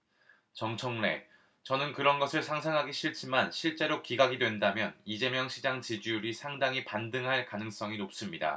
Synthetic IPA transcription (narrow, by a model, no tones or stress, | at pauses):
t͡ɕʌŋt͡ɕʰʌŋne̞̰ | t͡ɕʌnɯnkɯɾʌnɡʌsʰɯɭsʰaŋsʰaŋɦaɡiɕʰiɭt͡ɕʰimanɕʰiɭt͡ɕ͈e̞ɾokiɡaɡidwe̞ndamjʌnid͡ʑe̞mjʌŋɕʰid͡ʑaŋt͡ɕid͡ʑujuɾisʰaŋdaŋipandɯŋɦaɭkanɯŋs͈ʌŋinop̚s͈ɯmɲida̰